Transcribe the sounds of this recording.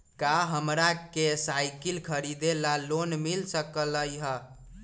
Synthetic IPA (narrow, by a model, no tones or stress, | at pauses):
kaɦəmɾakesajkilkʰəɾid̪elalonmilsəkələjɦə